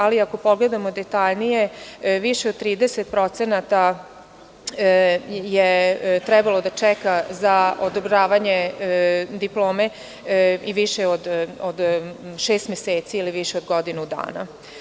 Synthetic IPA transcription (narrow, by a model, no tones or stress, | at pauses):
aliako̞po̞ɡled̪amo̞d̪et̪aʎnijeʋiʃeod̪̚t̪ɾiːd̪eset̪pɾo̞t̪senat̪a | jet̪ɾɛbalo̞d̪at͡ʃɛkazaod̪obɾaːʋaɲe | d̪iplˠoːme | iʋiʃeod̪od̪ʃeːst̪mʲjeseːt̪siiliʋiʃeod̪ɡo̞d̪inud̪a̰ːna